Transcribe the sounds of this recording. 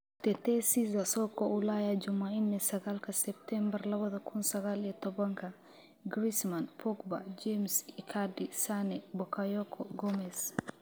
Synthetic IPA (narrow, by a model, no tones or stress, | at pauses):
t̪ɛt̪ɛsizasɔkːɔulajad͡ʒumainːɛsɐɡalkɐsɛp̚t̪ɛmbɛɾlɐβɐðɐkʰunsɐɣalɛt̪ɔbɐŋkʰɐ | ɡɾismanpʰɔkba̰d͡ʒemsikʰadisanɛbɔkajɔkʰɔɡɔmɛs